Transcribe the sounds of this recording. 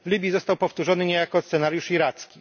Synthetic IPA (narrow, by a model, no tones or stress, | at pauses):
vlʲibʲjizɔst̪awpɔft̪uʐɔnɘɲejakɔst̪sɛnaɾjuʂiɾat̪skʲi